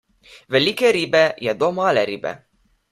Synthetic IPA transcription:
velʲikeɾibɛjɑd̪omɑleɾibɛ̰

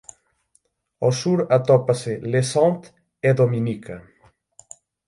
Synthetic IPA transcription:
osuɾat̪ɔpaselesãnt̪ | ed̪omĩnikʰɐ

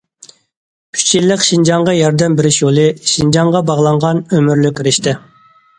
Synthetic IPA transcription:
y̥t͡ʃʰilːəqʲʃind͡ʒɑŋʁɑjɑɾd̪ɛmbɪɾɪʃjolˠɨʃind͡ʒɑŋʁɑbɑʁlˠɑŋʁɑnømyɾlykʲɾɪʃt̪ɪ

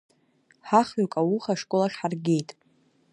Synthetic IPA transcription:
ħaχɥakʼawuχaʂkʷʼolaʃħarɡʲe̞jtʼ

